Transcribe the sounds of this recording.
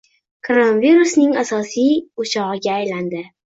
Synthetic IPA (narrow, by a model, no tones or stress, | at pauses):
kʰoɾonaviɾusnɪŋasɒsijʊt͡ʃʰɒʁɨɡʲaːjland̪ɪ